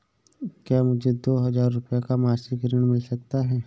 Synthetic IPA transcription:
kjaːmʊd͡ʒʱed̪oːɦɐzaːɾːʊpjakamaːsɪkɾɪɽ̃mɪlsɐk̚t̪aɦɛː

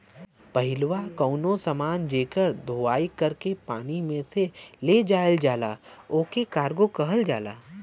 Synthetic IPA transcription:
pɐɦɪlʋakəʊnõsəmaːnd͡ʒeːkəɾd̪ʱoːaːikɐɾkepaːnimẽseled͡ʒaːld͡ʒaːlaːoːkekaːɾɡokɐɦəld͡ʒaːla̰ː

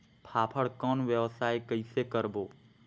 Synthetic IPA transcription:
pʰaːpʰəɽkɔːnʋjəʋsaːjkəisekəɾboː

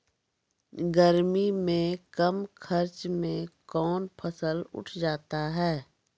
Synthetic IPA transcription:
ɡəɾmimẽkəmkʰəɾt͡ʃmẽkɔːnpʰəsəlʊ̰ʈʰd͡ʒaːt̪aɦɛː

